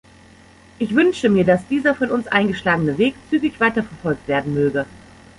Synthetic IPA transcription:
ʔɪçv̥ʏnʃəmiːɐdasd̥iːzɐfɔnʊnsʔa̰ɪnɡəʃlaːɡənəveːkt͡syːɡɪçv̥aɪtɐfɛɐfɔlk̚tv̥eːɐdn̩møːɡə

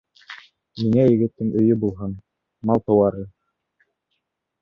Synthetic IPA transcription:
miŋæjɘ̆ɡɘ̆t̪ːɘŋɵ̆jɵbulˠɦɤn | mɑlˠt̪ɤ̆wɑɾɤ

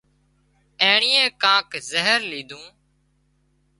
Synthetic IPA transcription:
eːɳiːẽːkãːkzəɦəɾliːd̪ũː

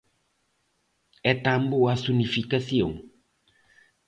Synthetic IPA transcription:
ɛt̪amboasunifikasiõ̰ŋ

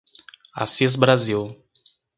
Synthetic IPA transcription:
a̰sis̬bɾaziw

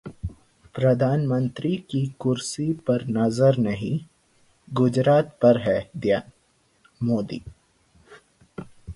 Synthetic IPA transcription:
pɾɐd̪ʱaːnmə̃nt̪ɾikikʊɾsipɐɾnɐzəɾnɐɦĩ | ɡʊd͡ʒɾaːt̪pɐɾɦɛd̪jan | moːd̪ḭː

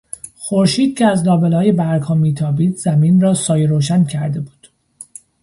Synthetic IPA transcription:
xoɾʃiːd̪̥̚cʰeæzlɒːbelɒːjebæɾɡhɒːmiːt̪ʰɒːbiːd̪zæmiːnrɒːsɒːjeɾoːʃæncʰæɾd̪e̞buːd̪̥

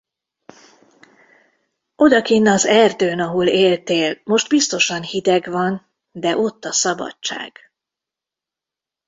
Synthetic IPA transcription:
o̞d̪ɒkinːɒzɛrd̪øːnɒɦoleːlt̪eːlmo̞ʃd̪̚bist̪o̞ʃɒnhid̪ɛɡvɒn | d̪ɛʔo̞t̪ːɒsɒbɒ̰t͡ʃt͡ʃːa̰ːɡ̥

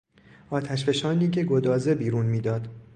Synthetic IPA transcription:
ʔɒːt̪ʰæʃ̬be̞ʃɒːniːcʰe̞ɡod̪ɒːze̞biːɾuːnmiːd̪ɒːd̪

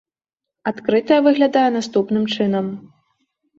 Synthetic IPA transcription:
at̪kɾɨt̪ɐjɐvɨɣlʲad̪ajɛnast̪upnɨmt͡ʂɨnɐm

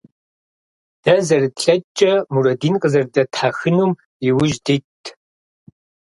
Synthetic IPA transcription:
d̥ɐzɐrtɬɐt͡ʃʼːɐmurɐdiːnqʼəzɐrdɐtħaxɨnuːm | iwʊʒditʰː

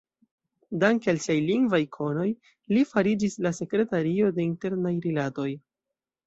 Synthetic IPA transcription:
daŋkealsiajliŋɡvajkʰo̞no̞j | lifaɾid͡ʒislase̞kɾe̞taɾio̞de̞inte̞ɾnajɾilato̞j

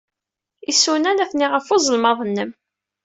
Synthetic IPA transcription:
isunænæθniʁəfozˤəlmɑðˤənːəm

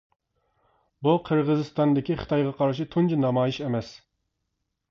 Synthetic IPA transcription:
buqʰəɾʁəzɨst̪ɑnd̪ɪkʲiχɨ̥t̪ɑjʁɑqʰɑɾʃit̪ʰunt͡ʃinɑmɑːjiʃemɛs

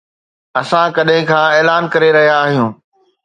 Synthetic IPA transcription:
ɐsãkɐɗɦɪ̃kʰãːeːlaːnkɐɾeɾɐɦijaːɦijũː

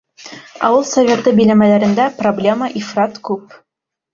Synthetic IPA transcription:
ɑ̰wɤlˠsɐvʲet̪ɤbɘ̆jnæmælæɾɘ̆nd̪æproblʲeməʔifrɑt̪kʉp

